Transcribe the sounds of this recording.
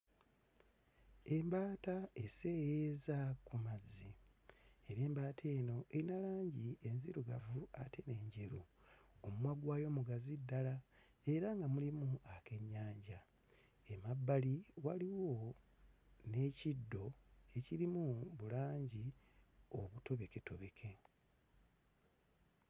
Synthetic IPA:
e̞mbaːtae̞se̞ːjezakumazi | eɾeːmbaːtʰe̞ːno̞ʔe̞ɾinalaːɲɟie̞nziɾuɡavuatʰe̞ne̞ːɲɟe̞ɾuomumwaɡwaːjo̞ːmuɡazidːala | e̞ɾaŋɡamulimuake̞ɲːaːɲɟa | emabːaliwaliwo̞ | ne̞ːcidːo̞e̞cilimuβulaːɲɟi | o̞βuto̞βe̞ke̞to̞βe̞kʰe̞

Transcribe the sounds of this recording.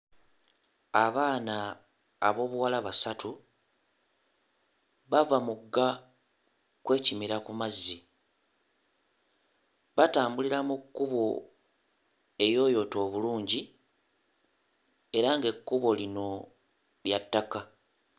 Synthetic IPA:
aβaːnaː | βo̞ːβuwalaβasatu | βavamuɡːa | kwe̞ːcimiɾakumazːi | βataːmbuliɾamukːuβo̞ | e̞jo̞ːjo̞ːto̞ːβuluːɲɟi | e̞ɾaŋɡe̞kːuβo̞lino̞ | ljatːaka

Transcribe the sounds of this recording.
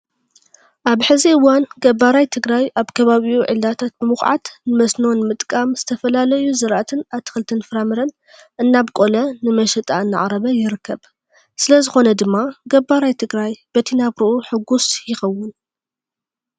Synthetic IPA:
ʔaβħɨziɨwːanɡɐbːaɾajt̪ʰɨɡɾajʔaβkʰɐβaβiuʕɨ̰ldat̪ʰat̪̚bɨmɨxʕa̰t̪nɨmɐsno̞nmɨt̪ʼkʼamz̥ɨt̪ʰɐfɐlalɐjuzɨɾʔat̪ʰɨnaβt̪ʰɨ̥xɨlt̪ʰɨnfɨɾamɨɾɐn | ʔɨnːaβkʼo̞lɐnɨmɐʃɛt̪ʼa̰ɨnːa̰ʕɾɐβɐjɪɾɨkʰːɐβ | sɨlɐzɨxo̞nɐd̪ɨmːaɡɐbːaɾajt̪ʰɨɡɾajbɐt̪ʰinaβɾɨʔuħɨɡːusjɪxɐwːʊn

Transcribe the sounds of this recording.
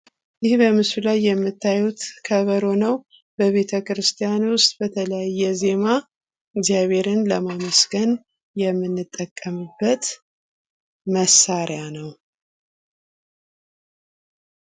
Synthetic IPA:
jɪhbəmɨsulajːɛmːɨt̪ʰːajut̪kʰəβəɾo̞nəw | bəβe̞t̪ʰəkɨɾɨst̪ʰijanwʊst̪ʼbət̪ʰələjajːɛze̞ma | ɪɡzjaβe̞ɾɨnləmaməsɡən | jɛmːɨnːɨt̪ʼːəkʼːəmɨbːət̪ | məsːaɾɪjanəw

